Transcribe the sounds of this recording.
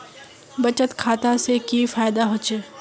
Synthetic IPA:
bɐt͡ʃət̪kʰaːt̪asekifaːjɪd̪aɦoːt͡ʃeː

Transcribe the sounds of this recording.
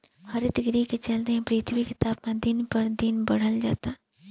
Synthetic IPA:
hɐɾɪt̪ɡɾiket͡ʃɐld̪eɦɛ̃pɾiːt̪ʰwikɪt̪aːbmẽd̪ɪnpɐɾd̪ɪnbɐɽ̤əld͡ʒa̰ːt̪aː

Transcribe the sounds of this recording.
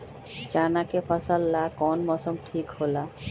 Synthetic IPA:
t͡ʃanakefʰasalːakɔnmɔsomʈʰikhola

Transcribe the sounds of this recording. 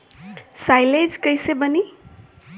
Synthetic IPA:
sajled͡ʒkʌjsebʌni

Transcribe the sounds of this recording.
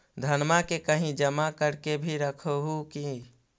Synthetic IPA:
d̪ʱənmakekəɦĩd͡ʒəmakəɾkebʱiɾəkʰoɦuki

